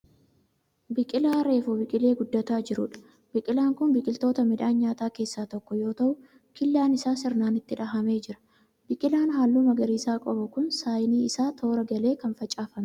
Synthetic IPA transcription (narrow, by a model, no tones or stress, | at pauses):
bɪkʼɪlaːɾe̞ːfʊbɪkʼɪle̞ːɡʊd̪ːɐt̪aːd͡ʒɪɾʊᶑɐ̥ | bɪkʼɪlaːŋkʊnbɪkʼɪlt̪o̞ːt̪ɐmɪᶑ̪aːnɲːaːt̪aːke̞ːsːaːt̪ɔkːɔjo̞ːt̪ɐʔʊ | kɪlːaːnɪsaːsɪɾnaːnɪt̪ːɪᶑɐɦɐme̞ːd͡ʒɪɾɐ̥ | bɪkʼɪlaːnɦaːlːuːmɐɡɐɾiːsaːkʼɔbɐkʊnsaːjniːɪsaːt̪ʰo̞ːɾɐɡɐle̞ːkɐnfɐt͡ʃʼaːfɐmɛ